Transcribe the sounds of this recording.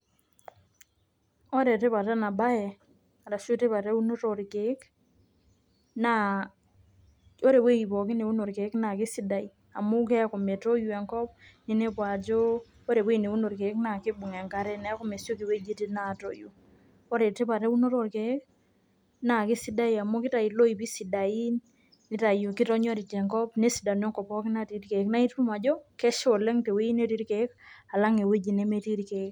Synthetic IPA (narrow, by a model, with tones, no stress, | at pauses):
ɔ˦ɾe˨te˦βa˨ɾɛ˦na˨ba˦jɛ˨ | a˨ɾa˨ʃo˦te˦βa˨ɾɛ˦u˦no˦ɾo˨ɾke˨˦k | na˦ | o˦ɾe˨we˦i˨bɔ˨kɪ˦ne˨wu˦no˨ɾke˨˦kna˨kɪ˦si˦da˨i˨ | a˨mu˦kɛ˦ko˨me˨to˦ju˨ɛ˨ŋkɔ˦pne˨ne˦pwa˨d͡ʒo˦ | o˦ɾe˨pu˦i˨ne˨wu˦no˨ɾke˨˦kna˨kɪ˦bu˨ŋɛ˨ŋka˦ɾɛ˦nɛ˨˦kɔ˦me˨sjo˦ki˨we˦d͡ʒi˦ti˦na˦˨to˦ju˨ | ɔ˦ɾe˨te˦pa˨ɾɛ˦wu˦no˦ɾo˦˨rke˨˦k̚ | na˨kɪ˦si˦da˦i˨a˨mo˦kɪ˦ta˨i˨lo˦i˨pi˦si˨da˨i˦nː | ɪ˦ta˨ju˨kɪ˦tɔ˦ɲɔ˦ɾi˨t͡ʃɛ˨ŋkɔ˦pne˦si˨da˨no˦ŋkɔ˨pɔ˦ki˦na˦ti˨ɾke˨˦kna˦i˦tpu˦ma˨d͡ʒɔ˦kɛ˦ʃo˨lɛ˦ŋte˨we˦i˦ne˦ti˦ɾke˨˦ka˨la˦ŋe˨we˦d͡ʒi˨ne˦me˦ti˦ɾke˨˦k